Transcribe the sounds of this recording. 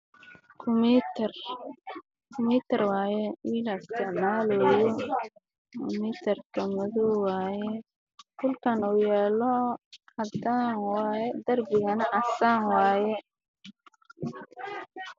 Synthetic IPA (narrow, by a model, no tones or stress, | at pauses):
kʰʊmt̪r | kʰʊmiːt̪ʰɐrwɑːjɛwiːlɐst̪ɛnaːlɔːjɔ | mit̪ʰɐrt̪ʰɔmɐðuwɑːjɛ | kʰʊlkʰɐnuːjɛːlɔhɐd̪anwɑjɛd̪ɐrbɪɣɐnɐʔɐsaːŋwɑːjɛ